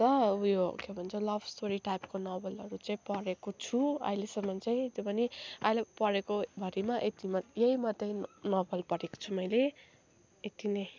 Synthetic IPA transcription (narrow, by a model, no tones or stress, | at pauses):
t̪ʌujo̰kebʱʌnt͡sʰʌlʌbsʈoɾiʈajpkonʌbʌlʌɾut͡saĩpʌɽekot͡sʰuʌ̰jlesʌmːʌnt͡saĩt̪obʱʌniʌjlepʌɽekobʱʌɾimaʔet̪imʌjeimʌt̪ːʌjnʌbʌlpʌɾeko̥t͡sʰumʌjle | et̪inʌj